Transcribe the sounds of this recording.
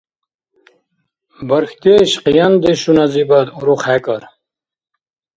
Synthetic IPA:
bɐɾxt̪eɕqijɐnd̪eɕunazibɐd̪uɾuχækɐɾ

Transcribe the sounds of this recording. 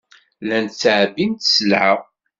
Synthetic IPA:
lænt͡sːʕbint̪səlʕə

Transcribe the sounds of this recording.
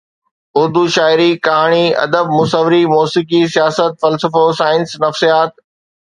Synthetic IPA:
ʊɾd̪uːʃaːɪɾikɐɦaːɽ̃iɐ̰d̪əb̚mʊsəʋɾimoːsikisijaːsət̪̚fɐlsəfosaːɪnsnɐfsijaːt̪̚

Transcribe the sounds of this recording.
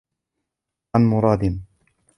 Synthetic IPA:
anmʊɾˤɑːd̪ɪn

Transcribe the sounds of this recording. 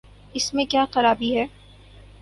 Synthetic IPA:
ɪsmẽkjaːxɐɾaːbiɦɛː

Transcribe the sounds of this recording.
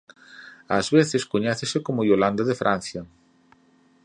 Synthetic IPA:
ɐzβeθɪskoɲɛθɪsɪkomojoland̪ɐðɪfɾʔanθjɐ

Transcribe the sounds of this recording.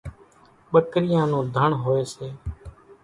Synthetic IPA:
ɓəkɾɪjãːnũːd̪ʱəɳɦoːeːseː

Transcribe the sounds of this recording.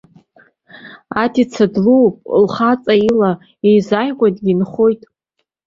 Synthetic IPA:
atʰit͡sʰadluwpʼlχat͡sʼaila | ejzajʁʷʼatʼɡʲinχo̞jtʼ

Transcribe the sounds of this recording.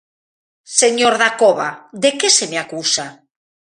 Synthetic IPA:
seɲoɾðakoβad̪ekesemeakusa

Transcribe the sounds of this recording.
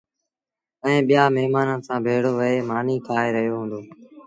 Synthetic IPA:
ə̃ẽːɓɪjaːmɛɦmaːnənsãːbʱeːɽoːʋəeːmaːniːkʰaːeːɾəɦijoːɦũːnd̪oː

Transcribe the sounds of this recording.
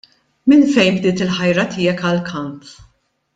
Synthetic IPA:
mɪnfɛjmbd̪ɪːt̪ɪlħɐjɾɐt̪ɪːɛkɐlkʰɐmp

